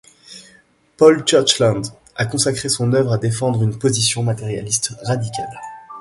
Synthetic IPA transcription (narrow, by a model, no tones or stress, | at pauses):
pɔlt͡ʃœʁt͡ʃlɑ̃nd̪ | akɔ̃sakχesɔ̃nœvʁad̪efɑ̃d̪ʁynpozisjɔ̃mat̪eʁja̰list̪ʁad̪ikʲal